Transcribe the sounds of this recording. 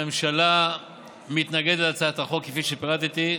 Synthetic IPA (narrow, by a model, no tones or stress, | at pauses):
emʃala | mit̪naɡed̪lat͡saat̪aχo̞kːefiʃepiʁat̪it̪i